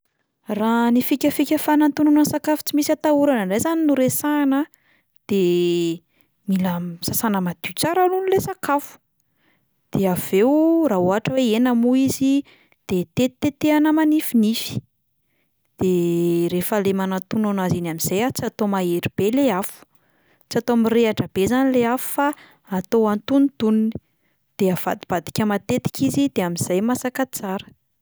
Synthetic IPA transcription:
ranifikʲəfikʲəfanant̪unanəsakafu̥t͡simisat̪auɾanəɳɖ͡ʐajzaninuɾesanə | d̪̥e | milasasanəmad̪̥ut͡saɾalunilesakafu̥ | d̪̥eav̥ewraoɦaʈ͡ʂəweenamuizi | d̪̥et̪et̪et̪eanəmanifinifi̥ | d̪̥eɾefəlemanat̪unanazinamiz̥ajat͡siat̪omaeɾib̥eleafu̥ | t͡sat̪omireaʈ͡ʂəb̥ezanileafu̥fa | at̪oant̪unit̪unini̥ | d̪̥eav̥ad̪ib̥ad̪i̥kʲəmat̪et̪i̥kʲizid̪eamiz̥ajmasakat͡saɾə̥

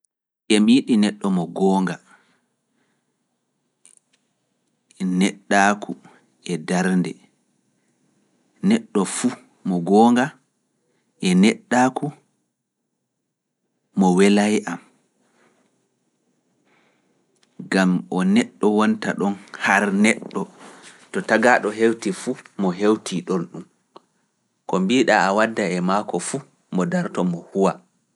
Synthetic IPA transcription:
ʔɛmiɗinɛɗːɔmɔɡɔːŋɡa | nɛɗːakʰu | ɛdaɾndɛ | nɛɗːɔfu | mɔɡɔːŋɡa | ʔɛnɛɗːaku | mɔwɛlajʔam | ɡamʔɔnɛɗːɔwɔnta̰ɗɔnhaɾnɛɗːɔtɔtaɡaɗɔɦewtifumɔɦewtiɗɔnɗum | kɔmbiɗaːwadːaɛmakɔfu | mɔdaɾtɔmɔhuwa

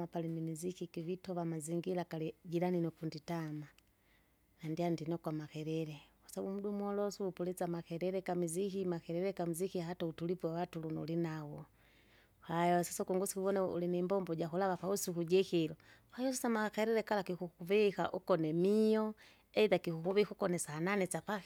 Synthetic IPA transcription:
apalimimizikikivitɔvamaziŋɡilakalid͡ʒiɾaninɔkunditama | nandiandinɔkwamakɛɾɛɾɛwasabumudumɔlɔsuupulɛt͡samakɛɾɛɾɛkamizikimakɛɾɛɾɛkamizikihatautulipuwawatulunɔ̰linaw | hajɔsi̥sakuŋɡusi̥kuβɔnɛṵlinɛmbɔmbɔɟaxulaβapausikud͡ʒɛxilɔ | hajɔsisamakɛɾɛɾɛkalakikukuvika̰ʔukɔnɛmijɔ | ɛiðakikukuβihukɔnɛsananɛt͡ʃapa

